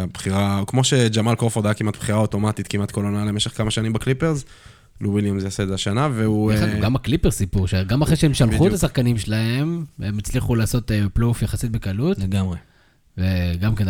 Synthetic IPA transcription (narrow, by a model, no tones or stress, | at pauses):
abχiʁakmo̞ʃe̞d͡ʒamalkofod̪aakimat̪̚b̥χiʁaot̪o̞mat̪it̪kimat̪kolonalemeʃe̞χkamaʃanimbaklipeʁz | luwiljamzjaseːzeaʃanaveuaɡamaklipeʁsipuʁʃeɡamaχʁeʃeemʃalχuet̪asaχkanimʃelae̞memit͡sliχulaːso̞t̪eplufjaχasit̪̚bekalut̪ɡamʁe | veɡamken